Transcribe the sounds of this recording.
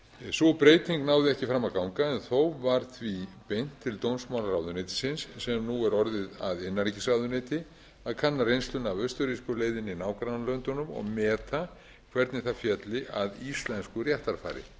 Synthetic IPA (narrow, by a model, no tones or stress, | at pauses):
sɔpɾeːjt̪iŋknaːwðɪɛhcɪfɾamːakawŋkaɛnθowvaɾ̥θvipejn̥t̪ʰːɪlt̪ownsmawlarawðʏnejt̪ɪ̥sɪnsːɛmnuɛɾɔɾðɪða̰ðɪnːaɾicɪsrawðʏnejt̪ɪ | aðkʰanːaɾejnst̪lʏnavœst̪ʏɾiskʏleːjðɪninaːwkɾaðalœnt̪ʏnʏmɔ̰ɣmɛːt̪a | kʰvɛɾt̪nɪθaðfjɛt̪lɪʔaðist̪lɛnskʏrjaht̪aɾfa̰ːɾɪ̰